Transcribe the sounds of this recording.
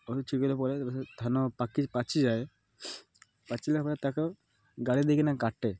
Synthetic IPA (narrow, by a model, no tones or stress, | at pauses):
ot̪ot͡ʃʰikolepɔɾet̪ʰanopakipat͡ʃʰid͡ʑae | pat͡ʃʰilepɔɾet̪ake | ɡaɽid̪ekinakaʈːe